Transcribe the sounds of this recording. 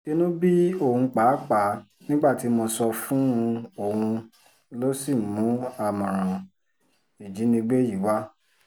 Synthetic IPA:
ke˧nũ˦bi˦o˦˨hũ˧k͡pa˨˦k͡pa˨˦ | nĩ˦ɡ͡ba˦˨ti˨˦mo˧sɔ˧fũ˦˧o˦˨hũ˧ | lo˦si˦˨mũ˨˦a˦˨mɔ̃˨ɾ̃ã˨ | i˨d͡ʒi˨˦nĩ˧ɡ͡be˦ji˨˦wa˦

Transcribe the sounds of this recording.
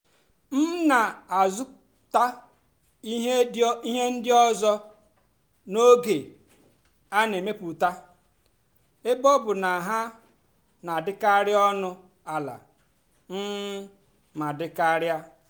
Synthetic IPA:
m̩˦na˨a˨zʊ˦ | ta˦ | i˦ɦe˦di˦ɦe˦n̩˦dɪ˦ɔ˦zɔ˦ | no˦ɡe˨ | a˦ne˨me˦pu˨ta˦ | ɪ˦bɔ˦bʊ˨na˨ɦa˦ | na˨dɪ˦ka˦ɾɪ˦ɔ˦nʊ˦ | a˨la̰˨ | m̩˦ | ma˨dɪ˦ka˦ɾja˦

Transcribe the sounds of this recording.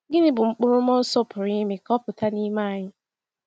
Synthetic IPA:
ɡɪ˦nɪ˦bʊ˨ŋ͡m̩˦k͡pʊ˦ɾʊ˦m˦ɔ˦sɔ˦pʊ˨ɾɪ˦ɪ˦mɪ˨kɔ˦pʊ˨ta˦ni˦ma˦a˦˨ɲɪ˦

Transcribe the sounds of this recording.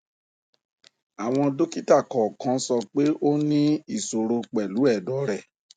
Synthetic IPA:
a˨w̃ɔ̃˧do˦ki˦ta˦˨kɔ˨kã˨˦sɔ˧k͡pe˦ʔo˦nĩ˦i˦˨so˨ɾo˧k͡pɛ˨lu˨˦ɛ˦˨dɔ˨˦ɾɛ˦˨

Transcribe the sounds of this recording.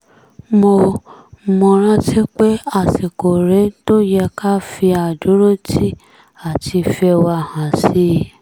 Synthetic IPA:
mo˧ | mõ˧˨ɾ̃ã˦ti˦k͡pe˦a˦˨si˨ko˨ɾe˨˦to˦jɛ˧ka˦fi˧a˨du˨˦ɾo˦tʰi˦ | a˨ti˧fi˧ɛ˧wa˧˨hã˨si˨˦˨

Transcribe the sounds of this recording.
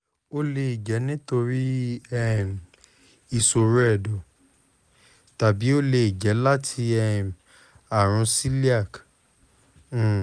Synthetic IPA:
o˦le˧i˨d͡ʒɛ˨˦nĩ˦to˧ɾi˦ɛ˦˨m˨ | i˨so˨ɾɛ˦˨dɔ˨ | ta˨bi˨˦o˦le˧i˨d͡ʒɛ˨˦la˦tʰi˧ɛ˦˨m˨ | a˨ɾ̃ũ˨˧˦si˦li˦a˦˨k

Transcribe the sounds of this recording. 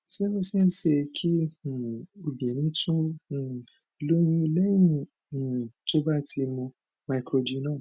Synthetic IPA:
si˦nũ˦sɛ˦˨n̩˦ʃɛ˧kʰĩ˦˨ | o˧˨bĩ˨nĩ˨˦tũ˦˨˧ | lo˦jĩ˦˧lɛ˦j̃ĩ˧˨ | to˦ba˦˨ti˧mɔ̃˧ | ma˨i˨kɾo˧di˨˦nã˦˨

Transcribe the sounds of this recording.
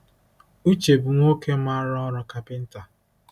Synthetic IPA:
u˦t͡ʃe˨bʊ˨ŋʷo˦ke˦ma˦ɾɔ˦ɔ˦ɾɔ˨ka˨pɪ˦n̩˦ta˨

